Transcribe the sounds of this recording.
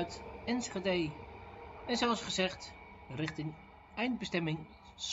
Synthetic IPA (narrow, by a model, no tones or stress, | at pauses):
ɥtɛnsχadej | ɛnzoɑsχəzɛχt | rɪχtɪŋ | ɛjnd̚bəstɛmɪŋ | s